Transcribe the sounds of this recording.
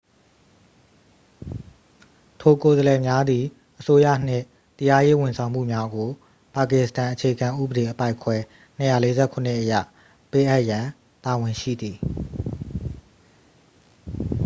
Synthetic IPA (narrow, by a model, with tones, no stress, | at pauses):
tʰo˨ko˨zəlɛ˨mja˦d̪i˨ | ʔəso˦jä̰˦˨n̥ɪ̰̃˦˨ | t̪əja˦je˦wɪ̃˨nsʰã˨ʊ̃m̥ṵ˦˨mja˦ɡo˨ | pa˨kɪ˦˨sə̥tã˨ʔət͡ɕʰe˨ɡã˨ʔṵ˦˨bəɾe˨ʔəpa˦ɪkʰwɛ˦ | n̥ə˦˨ja˦˨le˦zɛ̰˦˨kʰʊ˨n̥ɪ˦ʔəjä̰˦˨ | pe˦ʔa˦ʔjã˨ | ta˨wɪ̃˨ʃḭ˦˨d̪i˨